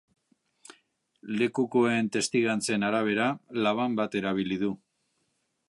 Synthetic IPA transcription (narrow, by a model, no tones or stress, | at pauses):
le̞kuko̞e̞nt̪e̞st̪iɣant͡se̞naɾaβ̞e̞ɾalaβ̞ambat̪e̞ɾaβ̞iliðu